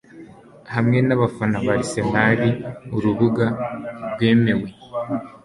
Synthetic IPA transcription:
hamŋe̞naβafanaβaɾise̞maɾiuɾuβuɡaɾɡwe̞ːme̞we̞

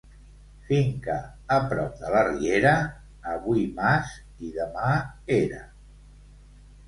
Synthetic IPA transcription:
fiŋkəː | pɾɔp̚ðələrieɾəː | βuimas | iðəmaeɾə̰

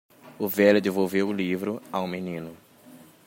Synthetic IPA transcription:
ʊvɛlʊd̪evowvewʊlivɾʊaũmenĩnʊ

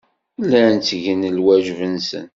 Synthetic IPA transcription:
lːænt͡sːʝənlwæʒvənsə̰n

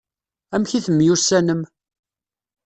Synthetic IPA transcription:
æmçiθəmːjusːænəm

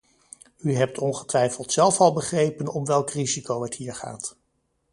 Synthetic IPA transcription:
yɦɛp̚tʰɔnχətʋɛjfəlˠtsɛlˠfɑlˠbəχrejpənɔmʋɛlˠkrizikowɦətɦiːɹχa̰ːt

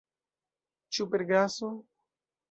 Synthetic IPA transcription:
t͡ʃupeɾɡaso

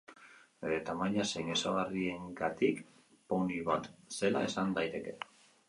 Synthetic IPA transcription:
et̪amajɲasejnesaɣarie̞ŋɡat̪ik | poniβat̪se̞la̰e̞sand̪ajt̪e̞ke̞

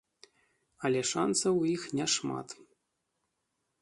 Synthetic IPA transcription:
ɐlʲɛʂa̰nsɐwixnʲɛʂma̰t̪

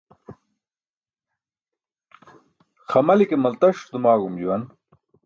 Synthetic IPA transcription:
xɐmɐlikemɐlt̪ɐɕfd̪umaːɣumd͡ʑuwɐn

